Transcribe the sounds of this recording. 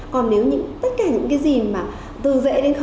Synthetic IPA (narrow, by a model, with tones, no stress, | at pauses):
kɔ˨˩nːe˨˦wɲɨ̰˧˥ŋt̪ə˦˥t̚kaː˧˩ɲɨ̰˧˥ŋkaː˨˦jzi˨˩maː˨˩ | t̪ɨ˨˩zḛ˧˥ɗe˨˦nx